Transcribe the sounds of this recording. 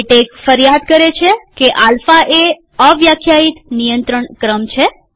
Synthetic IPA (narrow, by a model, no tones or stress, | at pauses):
ʈekfəɾjad̪kəɾet͡ʃʰekeʔalfaʔe | əʋjakʰjait̪nijənt̪ɾəɳkɾəmt͡ʃʰe